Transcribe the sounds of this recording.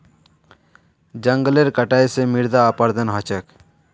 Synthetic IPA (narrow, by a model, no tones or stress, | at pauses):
d͡ʒəŋɡəleɾkəʈajsemiɾd̪aːpəɾd̪ənɦət͡ʃək